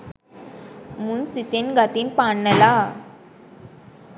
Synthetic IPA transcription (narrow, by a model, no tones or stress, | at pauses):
munsit̪enɡɐt̪inpaːɳːɐla